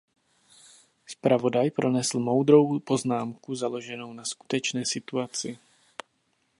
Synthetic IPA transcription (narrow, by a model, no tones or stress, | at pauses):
spɾavo̞dajpɾʔo̞nɛsl̩mo̞wd̪ɾo̞wpo̞znaːmkuzalo̞ʒɛno̞wnasku̥t̪ɛt͡ʃnɛːsɪt̪uat͡sɪ